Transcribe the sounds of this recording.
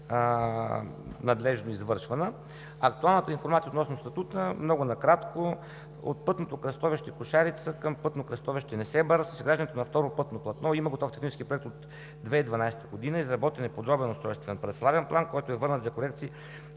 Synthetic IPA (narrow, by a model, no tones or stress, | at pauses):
nɐd̪lɛʒnoizvɤɾʃvɐnə | ɐkt̪ualˠnət̪əinfoɾmat̪sijot̪nɔsnost̪ɐt̪ut̪əmnɔɡʊnɐkɾat̪ko | o̰t̪̚pɤt̪not̪okɾɐst̪ɔviʃt̪ɛkʊʃaɾit̪səkəmpɤt̪nokɾɐst̪ɔviʃt̪ɛnɛsɛbɐɾəsəsɡɾaʒd̪ənɛt̪onɐft̪ɔɾopɤt̪noplˠɐt̪nɔiməɡot̪ɔft̪ɛ̥xnit͡ʃɛ̥skipɾoɛkt̪ot̪ | d̪vɛid̪vɐnajsɛ̥t̪əɡod̪inəizɾɐbɔt̪ɛnɛpod̪ɾɔbɛnost̪ɾɔjst̪vɛnpɾɛt̪slˠavɛnplˠankɔjt̪oɛvɤɾnət̪zɐkoɾɛk̚t̪sii